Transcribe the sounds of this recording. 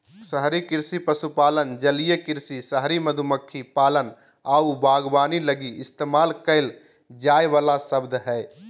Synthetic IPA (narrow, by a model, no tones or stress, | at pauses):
səɦɾikɪɾsipəsupaːlənd͡ʒəlijəkɪɾsisəɦɾiməd̪ʱuməkʰːipaːlən | aːubʱaːɡbaːniləɡiɪst̪eːmaːlkəɪl | d͡ʒaːjʋaːlasəbd̪ʱɦɛː